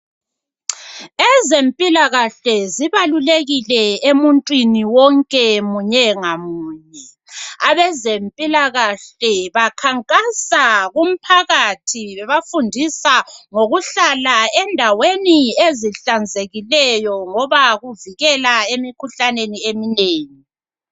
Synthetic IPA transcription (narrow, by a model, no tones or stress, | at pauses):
ɛzempʼilaɣaɬɛziβaluleɣilɛemuntʼwiniwɔŋkʼɛmuɲɛŋamuːɲɛ | aβɛzempʼilaɣaɬɛβakʰaŋkʼasaɣum̩pʰaɣatʰiβɛβafundʱisaŋoɣuɬalaɛndʱawenieziɬand͡zʱeɣilɛjɔŋɔβaɣuviɣɛlaemikʰuɬaneniemineːŋi